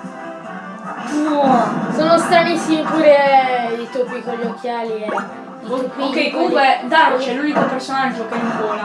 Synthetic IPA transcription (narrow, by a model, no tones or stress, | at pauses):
unɔsoːnost̪ɾanisːimipuːɾeit̪opːikoʎːokːjaːli | okːejkũŋkɛd̪aɾot͡ʃɛlunikopersonad͡ʒːokeinpona